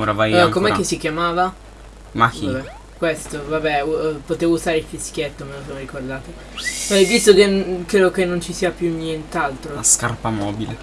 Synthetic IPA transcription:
oɾavajakːomɛkːesikjamaːva | makiabɛ | kwest̪ovabɛupot̪eːvouzaːɾeilfiskjet̪ːomelosomɾikord̪aːt̪o | pɛvist̪okenkɾeːd̪okenːont͡ʃisiːapjunjɛnt̪ealt̪ɾolaskarpamɔːbile

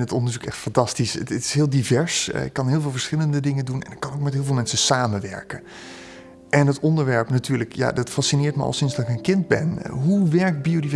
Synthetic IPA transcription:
nətɔndəɹzukɛxtfɑntɑstisəətɪ̥sɦɪːlˠdivɛɹsɪ̰kːɑnɦɪːlˠvɪːlˠvəɹsχɪləndədɪŋəndunɛ̰nɪkɑnokmɛtɦɪːlˠvɪːlˠmɛnsəsaːmənʋɛ̰ɹkə | ʔɛnɦətɔndəɹʋɛɹpnatyːɹləkʰja̰dɑtfasinɪːɹtmə̰ɑ̰lˠsɪnsdɑtɪkənkɪndbɛnɦuʋɛɹk̚biodivɛ

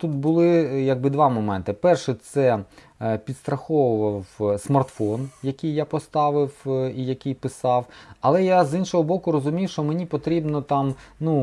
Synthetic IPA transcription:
t̪ut̪̚bʊlˠɪjɐɡ̚bɪd̪ʋɑmɔmɛnt̪ɪpɛrʃɛt̪sɛ | pʲid̪st̪ɾɐxɔwʊʋɐwsmɐrt̪fɔnjɐkʲijːapɔst̪ɑʋɪwijɐkʲijpɪsɑwɐlˠɛjazinʃɔɦɔbɔkʊɾɔzʊmʲiwʃt͡ʃɔmenʲipɔt̪ɾʲibnɔt̪ɑmnu

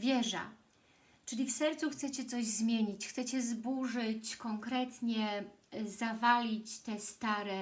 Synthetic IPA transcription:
vʲjɛʐa̰ | t͡ʂɘlʲifsɛɾt̪suxt̪sɛt͡ɕɛt̪sɔʑzmʲjeɲit͡ɕxt̪sɛt͡ɕɛzbuʐɘt͡ɕkɔŋkɾɛt̪ɲɛzavalʲit͡ɕt̪ɛst̪aɾɛ

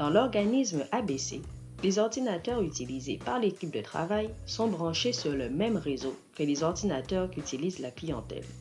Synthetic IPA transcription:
d̥̪ɑ̃lɔʁɡanismabesḛ | lezɔʁd̪inat̪œʁyt̪ilizepaʁlekʲip̚d̪ət̪χa̰vajsɔ̃bʁɑ̃ʃesyʁləmɛmʁezokəlezɔʁd̪inat̪œʁkyt̪ilizlaklijɑ̰̃t̪ɛ̰l

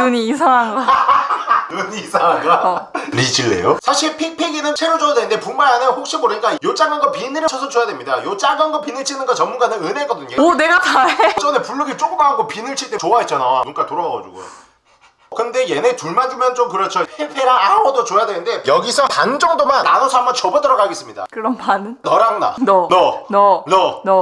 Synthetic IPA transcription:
nɯɲiːsʰaŋɦaŋɡa | nɯɲiːsʰaŋɦanɡaɾid͡ʑiɭːe̞̰josʰaɕʰiɭpʰik̚pʰeɡinɯnt͡ɕʰeɾod͡ʑojadwe̞nɯnde̞puŋmaɾanehok̚ɕ͈imoɾɯɲik͈ajot͡ɕ͈aŋɡanɡʌpinɯɾɯt͡ɕʰʌsʰʌt͡ɕojadwemɲidajot͡ɕ͈aŋɡanɡʌpinɯɭt͡ɕʰinɯnɡʌt͡ɕʌmunɡanɯnɯnekʌdɯɲone̞ɡakat͡ɕʰʌnepuɭːuɡit͡ɕ͈ok͈ɯmaɡopinɯɭt͡ɕʰiɭt͈et͡ɕoaɦet̚t͡ɕ͈anamunk͈atoɾʌɡaɡad͡ʑṵɡo̰jo̰ | kɯnde̞jenetuɭmandɯmjʌnt͡ɕomkɯɾʌt͡ɕʰʌhepʰeɾaanaɡʌdot͡ɕojadwe̞nɯnde̞jʌɡisʰʌpand͡ʑʌŋdomanːanosʰʌambʌnt͡ɕʌbɯt͈ɯɾʌɡaɡes͈ɯmɲida̰kɯɾʌmpannʌɾaŋda̰nʌnʌʌnʌnʌ

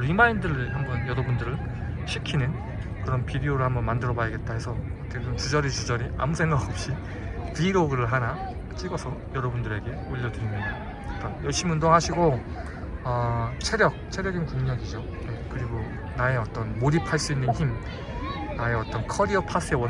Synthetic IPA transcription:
ɾimaindɯɾɯɭhambʌnjʌɾʌbundɯɾɯɭ | ɕʰikʰinɯn | kɯɾʌnpidioɾɯɭhambʌnmandɯɾʌbajʌɡe̞t̚t͈aɦe̞sʰʌʌt͈ʰed͡ʑomt͡ɕid͡ʑʌɾit͡ɕid͡ʑʌɾiʔa̰musʰe̞ŋɡaɡʌp̚ɕ͈i | piɾoɡɯɾɯɭɦana | t͡ɕ͈iɡʌsʰʌjʌɾʌbundɯɾe̞ɡe̞oʎːʌdɯɾimɲida | ʌt͈anjʌɭɕ͈imiundoŋɦaɕʰiɡo | ʌt͡ɕʰe̞ɾjʌk̚t͡ɕʰe̞ɾjʌɡinkuŋɲʌɡid͡ʑo | je̞kɯɾiɡo | nae̞ʌt͈ʌnmoɾipʰaɭs͈uinːɯnçim | nae̞ʌt͈ʌnkʰʌɾiʌpʰas͈ɯewʌ

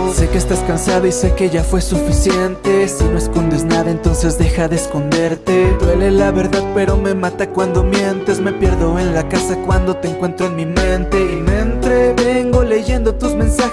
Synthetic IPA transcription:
se̞keːst̪askansaðoise̞ke̞ʝafwe̞sufisje̞nt̪e̞sino̞eskond̪e̞znaðaent̪o̞nse̞zðe̞xaðeːsko̞nd̪e̞ɾt̪e̞d̪we̞le̞laβe̞ɾðaðpe̞ɾo̞me̞mat̪akwand̪o̞mje̞nt̪e̞zme̞pje̞ɾðo̞enlakasakwand̪o̞t̪eːŋkwe̞nt̪ɾoenmimẽ̞nt̪e̞iment̪ɾeβeŋɡo̞le̞ʝe̞nd̪o̞t̪uzmẽ̞nsax

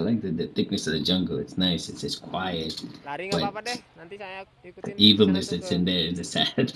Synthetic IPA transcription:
laɪk̚ðɨðɨθɪk̚nɨsʌvðɨd͡ʒʌ̃ŋɡl̩ˠɨ̰tsnaɪsɨtsʒ̥ʌskʰw̥aɪɨt̚laɪk̚ | ðɨʔivl̩ˠnɨsðɨtsɨ̃nðə˞ɨzɨsæd̥

